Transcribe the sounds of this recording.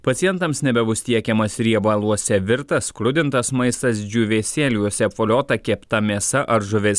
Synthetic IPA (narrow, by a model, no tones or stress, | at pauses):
pɐt̪ʲɪjɛnt̪ɐmsnʲɛbʲɛbʊst̪ʲiɛkʲɛmɐsɾʲiɛbɐlˠuɔsʲɛʋʲɪɾt̪ɐskɾʊd̪ʲɪnt̪ɐsmɐɪst̪ɐs̬d͡ʒʲuːʋʲeːsʲeːlʲuɔsʲɛpfoːlʲoːt̪ɐkʲɛpt̪ɐmʲiɛsɐʔʔɐɾʒʊʋʲɪs